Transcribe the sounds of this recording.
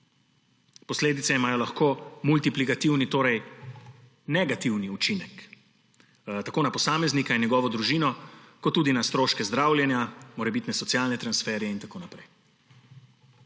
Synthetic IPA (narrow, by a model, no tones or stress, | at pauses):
pɔsleːd̪it̪sɛimaːjɔlaxkoːmult̪iplikat̪iwnit̪oːɾɛj | nɛɡat̪iwniut͡ʃinɛk | t̪akoːnapɔsaːmɛznikajnjɛɡɔːʋɔd̪ɾuʒiːnɔkɔt̪ːuːd̪inast̪ɾoːʃkɛzd̪ɾaːwlʲjɛnjamoːɾɛbit̪nɛsɔt̪sijaːlnɛt̪ɾansfɛɾjɛint̪akoːnapɾɛj